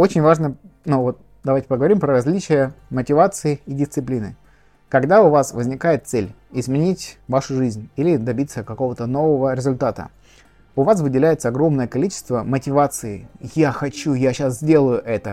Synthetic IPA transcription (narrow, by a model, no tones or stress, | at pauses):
o̞t͡ɕɪnʲvaʐnənuvot̪̚ | d̪ɐvajtʲɪ̥pəɡəvɐɾʲimpɾəɾɐzʲlʲit͡ɕɪjəmətʲɪvat̪sɨɪɪdʲɪst̪sɨplʲinɨ̰ | kɐɡd̪aʊvasvəzʲnʲɪkajɪt̪t̪sɛlʲ | ɪzmʲɪnʲitʲvaʂʊʐɨzʲnʲilʲɪd̪ɐbʲit̪sːəkɐko̞vət̪əno̞vəvəɾʲɪzʊlʲt̪at̪ə̰ | ʊvas̬vɨdʲɪlʲæjɪt̪səɐɡɾo̞mnəjəkɐlʲit͡ɕɪ̥st̪vəmətʲɪvat̪sɨɪjaxɐt͡ɕujaɕas̬zʲdʲe̞lˠəjʊʔɛt̪ə